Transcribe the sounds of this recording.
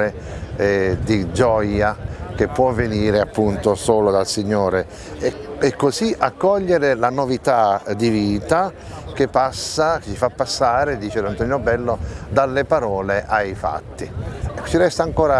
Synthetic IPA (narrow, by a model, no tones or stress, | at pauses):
e | ɛd̪id͡ʒɔjak̟epːwɔvːeniːɾeapːunt̪osoːlod̪alsiɲːoːɾe | ɛkːoziʔakːɔʎːeɾelanovit̪ad̪iviːt̪a | k̟epːasːakt͡ʃifapːasːaːɾed̪iːt͡ʃelant̪ɔnjobɛlːod̪alːepaɾɔːleʔajfa̰t̪ːit͡ʃiɾɛst̪aŋkoːɾa